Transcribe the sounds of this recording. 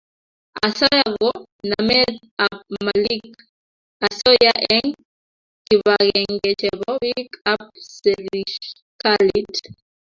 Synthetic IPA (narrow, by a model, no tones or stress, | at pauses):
asɔjaɣɔ | namɛt | amalik | asɔjaʔɛŋ | kiβaɣɛŋɡɛt͡ʃɛβɔwikapsɛliʃ | kalit